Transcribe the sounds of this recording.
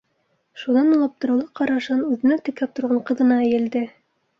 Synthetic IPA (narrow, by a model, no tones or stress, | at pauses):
ʃunɑnulˠɑp̚t̪ɤ̆ɾɤ̆wlˠɤqɑɾɑʃɤnʉðɘ̆næt̪ɘ̆kæp̚t̪ŏɾʁɑɴqɤ̆ðɤ̆nɑæjɘ̆ld̪ɘ